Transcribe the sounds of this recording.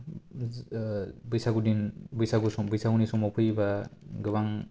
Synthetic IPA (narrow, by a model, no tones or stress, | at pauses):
bɯjsaɡudinbɯjsaɡusɔbɯjsaɡunisɔmɔpʰɯjbaɡɯβaŋ